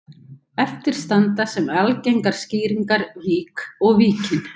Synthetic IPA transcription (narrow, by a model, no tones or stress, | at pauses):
ɛft̪ɪɾ̥st̪ant̪asɛmalcejŋkaɾ̥sciːɾiŋkaɾviːkɔɣviːcɪn